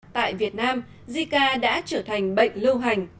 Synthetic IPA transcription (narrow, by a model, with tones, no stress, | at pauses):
t̪a̰ː˧˨jvi˨˩ət̚naː˧m | zi˧kaː˧ɗa̰ː˧˥t͡ɕəː˧˩t̪ʰa˨˩ŋ̟ɓə̰˧˨jŋ̟lə˧wɦa˨˩jŋ̟